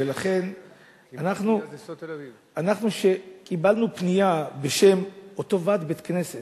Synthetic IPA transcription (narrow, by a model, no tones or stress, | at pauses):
elaχe̞n | anaχnu | anaχnuʃe̞kibalnupnijabeʃe̞mot̪o̞vat̪bet̪kneset